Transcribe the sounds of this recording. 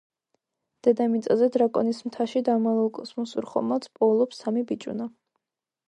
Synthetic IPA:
d̪̥ɛd̪amit̪sʼazɛd̪ɾakʼɔ̰nismt̪ʰaʃid̪amalˠulˠkʼɔsmɔsuɾχɔ̰mat̪sʰpʼɔlˠɔpsamibit͡ʃʼṵna

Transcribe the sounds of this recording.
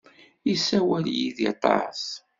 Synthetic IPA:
isæwæljiðit̪ˤɑ̰s

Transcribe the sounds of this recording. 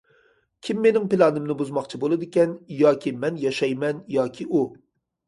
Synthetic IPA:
kʲʰimːenɪŋpɪlˠɑnɨmnɨbuzmɑχt͡ʃʰibolˠɨd̪ɪkʲɛnjɑːkʲʰimɛnjɑʃɑjmɛnjɑːkʲʰiʔu

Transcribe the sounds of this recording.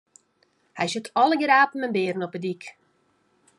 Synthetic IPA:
hɛjsətʰɔləɡɾaːpn̩ənbɪːrn̩ɔpədik

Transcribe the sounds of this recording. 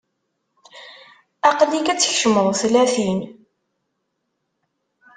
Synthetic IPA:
ɑqlikæt͡sːçʃəməðˤθlæθin

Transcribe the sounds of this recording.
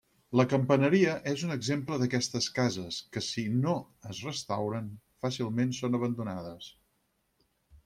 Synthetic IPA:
ləkəmpənəɾiəʔezunəɡzempləðəkɛst̪əskazəskəsino | əzrəst̪awɾən | fasilˠmensonəβənd̪unaðəs

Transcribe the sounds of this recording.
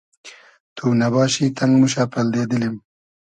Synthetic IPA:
t̪ʰunɐβɑːʃit̪ʰɐŋɡmuʃ̬apɐld̪eːd̪əlim

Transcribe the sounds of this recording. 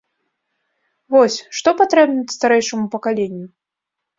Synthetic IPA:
vɔsʲʂt̪ɔpat̪ɾɛbnʲɐtʲst̪aɾɛjʂɐmupɐkalʲenʲːu

